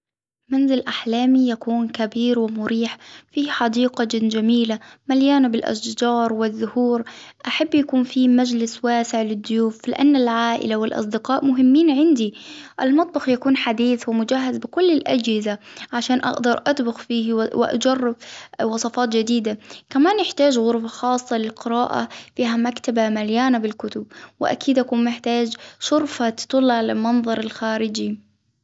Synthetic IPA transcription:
manzɪlʔaħlaːmijakuːnkabiːɾwɪmʊɾiːħfiːħɑd̪iːqad͡ʒɪd͡ʒamiːlamaljaːnabɪlʔa̰ʃd͡ʒɑːɾˤwɪðːʊhuːɾʔaħabːjakuːnfiːmad͡ʒlɪswaːsɪʕlɪd̪ːʊjuːflɪ̰ʔanːalʕaːʔɪ̰lawɪlʔɑ̰sˤd̪ɪqɑːʔmʊɦɪmːiːnʕɪnd̪iʔalmɑt̪ˤbɑxjakuːnħad̪iːθwɪmʊd͡ʒaːɦazbɪkʊlːɪlʔad͡ʒhɪzaʕaʃaːnʔa̰ʔd̪ɑɾˤʔat̪bʊxfiːhwɪ̰ʔa̰d͡ʒɑrˤːɪbwɑsˤɑfɑːt̪d͡ʒad̪iːd̪akamaːnjɪħt̪aːd͡ʒɣʊɾfaxɑːsˤːɑlɪlqɪɾaːʔa̰fiːɦamakt̪abamaljaːnabɪlkʊt̪ʊb̚wɪ̰ʔa̰kiːd̪ʔakuːnmɪħt̪aːd͡ʒʃʊɾfat̪t̪ˤʊlːʕalalmɑnðˤɑɾˤɪlxaːɾɪd͡ʒi

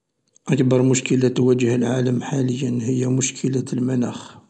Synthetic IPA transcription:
ʔəkbɑɾˤmʊʃkəlæt̪wæd͡ʒəhəlʕaləmħaləjːənhəjːæmʊʃkʰəlæəlmænæx

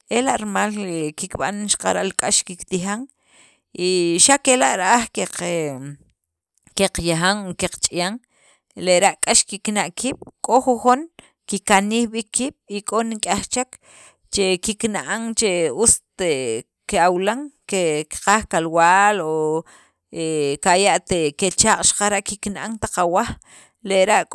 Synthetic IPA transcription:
elaʔɾmaːlkikɓa̰nʃḁqaɾaʔlkʼaʃkikt̪ixaŋ | iʃakelaʔɾaʔaχkeq | keqjaɦaŋkeqt͡ʃʼijaŋ | leʔɾaʔkʼaʃkiknaʔkʰiːɓ̥kʼoxuχun | kikaniːxɓikʰːiːɓ̥ikʼoniŋkʼaχt͡ʃak | t͡ʃekiknaʔaŋt͡ʃeust̪e | keawlaŋkekqaχkalwaːlo | ekajaʔt̪eket͡ʃaːqʼʃḁqaɾaʔkiknʔaŋt̪aqawaχ | leɾaʔkʼ

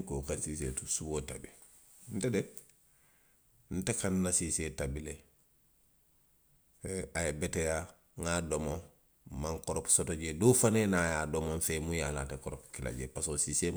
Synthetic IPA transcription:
kokasiːs̬ḛtusuboːtabi | n̩tede | n̩tekanːasisetabile | aebeteja | ŋadomo | maŋkoɾopsotoɟedoːfanenajaːdomonfeːmujala̰tekoɾopkila̰ɟḛpasosiːse

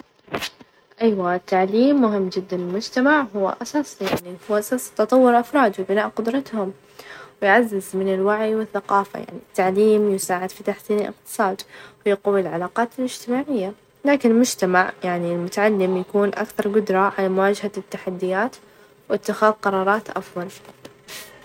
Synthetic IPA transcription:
ʔajwaɪt̪ːaʕliːmːʊɦɪmːd͡ʒɪd̪ːanɪlmʊd͡ʒt̪amaʕɦʊwːa̰ʔasaːsˤijaʕnihuːʔasast̪ɑt̪ˤɑwːʊɾʔafɾˤɑːd̪wɪbɪnaːʔqʊd̪ɾˤɑt̪hʊm | wɪjʕazːɪzmɪnɪlwaʕijwɪθːaqɑːfa̰ja̰ʕnḭt̪ːaʕliːmjɪsaːʕɪd̪fit̪aħsiːnɪlʔɪ̰q̚t̪ɨ̥sˤɑːd̪wɪjaquwilʕalaːqɑːt̪ɪlɪd͡ʒt̪ɪmaːʕɪjːa | laːkɪnɪlmʊd͡ʒt̪amaʕjaʕnilmʊt̪aʕalːɪmjakuːnʔa̰kθɑɾˤɡʊd̪ɾˤɑʕalamʊwaːd͡ʒhat̪ːaħad̪ːɪjaːt̪ | wɪt̪ːɪxaːðqɑɾˤɑːɾˤɑːt̪ʔa̰fðˤɑl

